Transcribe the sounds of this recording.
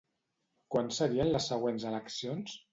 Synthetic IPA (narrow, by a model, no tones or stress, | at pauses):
kwansəɾiənləsːəɣwenzələksions